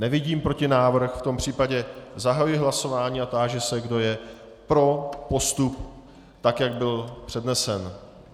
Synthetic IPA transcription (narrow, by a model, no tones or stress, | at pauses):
nɛvɪɟiːmpɾo̞cɪnaːvr̩xft̪o̞mpr̝̥iːpaɟɛzaɦajujɪɦlaso̞vaːɲiːat̪aːʒɛsɛɡdo̞jɛ | pɾo̞po̞st̪up | t̪akjaɡ̚bɪlpr̝̥ɛdnɛsɛn